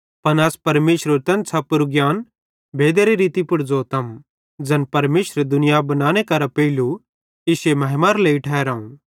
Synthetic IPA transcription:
pɐnɐspɐɾmeːʃɾoɾt̪ɐ̃nsʰapːʊɾuɡjaːn | bʱeːd̪eɾiɾiːt̪ipʊɽd͡zot̪ɐm | d͡ʒɐnpɐɾmeːʃɾed̪ʊnɪjabɐnãːñekɐɾapɐɪlu | ɪʃemɐɦmaːɾleːiʈʰɛeɾaːũ

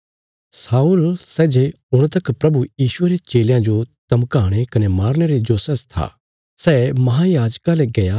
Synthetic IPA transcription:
saːulsɛːd͡ʒe | ʊɽ̃t̪ɐkpɾɐbujiːʃʊeɾet͡ʃeːljãd͡ʒot̪ɐmkaːɽ̃ekɐnemaːɾɽ̃eɾed͡ʒoːsɐst̪ʰa̰ː | sɛːmɐɦajaːd͡ʒkaleɡɐja

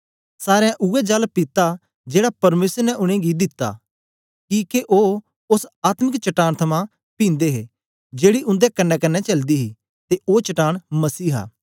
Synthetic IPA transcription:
saːɾãʔuɛd͡ʒɐlpɪt̪a | d͡ʒeːɽapɐɾmeːsəɾnɛʔʊɽ̃ẽɡid̪ɪt̪ːa̰ | kikeʔoː | ʊsaːt̪mɪkt͡ʃɐʈaːɽ̃t̪ʰɐmã | pĩːnd̪eɦeː | d͡ʒeːɽiʔʊ̃nd̪ekɐnːɛkɐnːɛt͡ʃɐld̪iɦi | t̪eʔoːt͡ʃɐʈaːɽ̃mɐsiːɦa̰ː

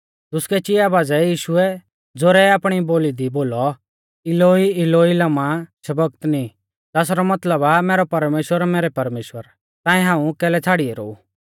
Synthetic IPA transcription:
t̪ʊskɛt͡ʃɪjabaːd͡zɛjiːʃʊɛ | d͡zoːɾɛaːpɽ̃iboːlid̪iboːlɔ | ɪloiɪloilamãsɐbəɡt̪nĩ | t̪aːs̬ɾɔmɐt̪ləbamɛːɾɔpɐɾmeːʃwəɾamɛːɾɛpɐɾmeːʃwəɾ | t̪ãːĩɦãːũkɛːlɛt͡sʰaːɽiɛɾo̰ːu

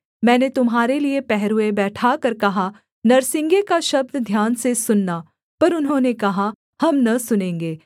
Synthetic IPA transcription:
mɛ̃ːnet̪ʊmɦaːɾeliepɛɦɾuebɛːʈʰakɐɾkɐɦa | nɐɾsɪ̃ŋɡekaʃɐb̚d̪d̪ʱjaːnsesʊnːaː | pɐɾʊnɦõːnekɐɦa | hɐmnɐsʊnẽːŋɡeː

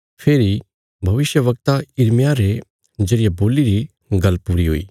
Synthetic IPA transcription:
pʰeːɾi | bʱɐʋɪʃjəʋɐk̚t̪aɪɾmjaɾe | d͡ʒɐɽɪjaboːliɾi | ɡɐlpːuːɾiɦo̰ːḭː

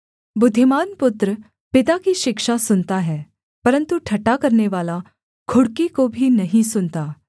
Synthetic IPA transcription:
bʊd̪ʱːɪmaːnpʊt̪ɾə | pɪt̪akiʃɪkʃasʊnt̪aɦɛː | pɐɾə̃nt̪uʈʰɐʈːakɐɾneʋaːla | kʰʊɽkikobʱinɐɦĩsʊnt̪aː

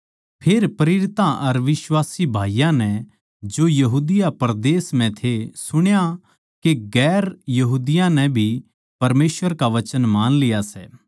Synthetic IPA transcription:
pʰeːɾpɐɾɪɾɪt̪ãʔɐɾʋɪswaːsibʱaːijãnɛ̃ | d͡ʒojɐɦuːd̪ɪjapɾd̪eːsm̤ɛ̃t̪ʰesʊɽ̃ja | keɡɛːɾjɐɦuːd̪ɪjãnɛbʱi | pɐɾmeːsʋəɾkaʋɐt͡ʃənmaːnlɪjasɛː

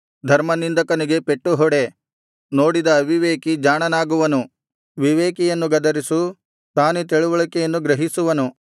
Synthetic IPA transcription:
d̪ʱɐɾmɐnind̪ɐkɐniɡe̞peʈːuɦɔɽe̞ | no̞ːɽid̪ɐːʋiʋeːkid͡ʒaːɳɐnaːɡuʋɐnu | ʋiʋeːkijɐnːuɡɐd̪ɐɾisu | t̪aːnut̪̬eɭuʋɐɭɐkːɛjɐnːuɡɾɐɦisuʋɐnu

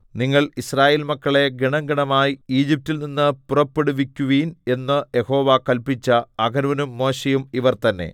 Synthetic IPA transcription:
niŋːɐɭisraːjeːlmɐkːɐɭe̞ɡiɳɐŋɡɐɳɐmaːjiiːd͡ʑip̚tilninːɨpurɐpːe̞ɽuʋikʲːuʋiːne̞nːɨje̞ho̞ːʋakɐlpit͡ɕːɐɐɡɐnʋɐnumːo̞ːɕejumiʋɐrt̪ɐnːe̞̰

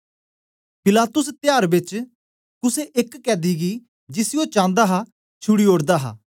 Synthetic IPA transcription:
pɪlaːt̪ʊst̪ɪjaːɾbɪt͡ʃ | kʊseʔɪkːɛːd̪iːɡiː | d͡ʒɪsioːt͡ʃãːnd̪aːɦaː | t͡ʃʰʊɽiːoːɽd̪aːɦa̰ː

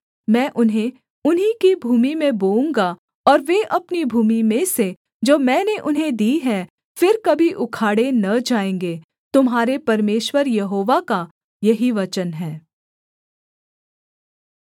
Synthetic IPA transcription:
mɛ̃ːʔʊnɦẽ | ʊnɦikibʱuːmimẽboːũŋɡa | ɔːɾʋeʔɐpnibʱuːmimẽse | d͡ʒoːmɛ̃ːneʔʊnɦẽd̪iːɦɛ̃ | fɪɾkɐbʱiʔʊkʰaːɽenɐd͡ʒaːẽːŋɡeː | t̪ʊmɦaːɾepɐɾmeːʃwəɾjɐɦoːʋaka | jɐɦiʋɐt͡ʃənɦɛ̃ː

